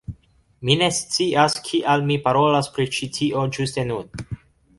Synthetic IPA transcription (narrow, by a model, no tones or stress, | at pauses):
mine̞st͡siaskʰiʔalmipaɾo̞laspɾit͡ʃitʰiʔo̞d͡ʒuste̞nun